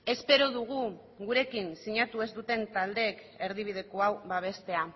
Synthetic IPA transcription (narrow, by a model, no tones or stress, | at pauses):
e̞spe̞ɾo̞ðuɣ̞u | ɣuɾe̞kinsiɲat̪ue̞zd̪ut̪e̞nt̪ald̪e̞ːk | e̞ɾðiβ̞ið̞e̞ko̞awβaβ̞e̞st̪e̞a